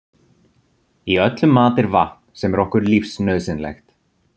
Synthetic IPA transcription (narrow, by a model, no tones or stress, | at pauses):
iœt̪lʏmːaːt̪ɪɾvaht̪nsɛmɛɾɔhkʏɾlifsnœɥðsɪnlɛ̰xt̪